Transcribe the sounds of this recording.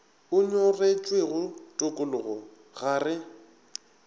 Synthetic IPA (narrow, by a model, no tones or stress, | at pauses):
ʊɲʊret͡ʃʼweɣʊtʼʊkʼʊlʊɣɔ | ɣaːrɪ